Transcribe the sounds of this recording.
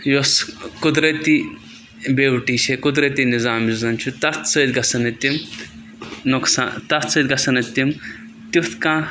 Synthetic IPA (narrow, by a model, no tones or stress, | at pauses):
joskud̪ɾɐt̪i | bewʈiːt͡ʃʰekud̪ɾɐt̪inizaːmizɐnt͡ʃʰut̪ɐt̪t͡səjt̪ʲɡɐsɐnɐt̪im | nuksa̰ːnt̪ɐt̪t͡sət̪̚ʲɡɐsɐnɐt̪ːim | t̪it̪kãː